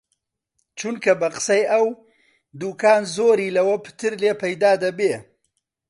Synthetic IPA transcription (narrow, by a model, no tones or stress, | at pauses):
t͡ʃunkabaqsajaw | d̪ukɑːnzoɾilawapə̥t̪ɪɾlepajd̪ɑːd̪abe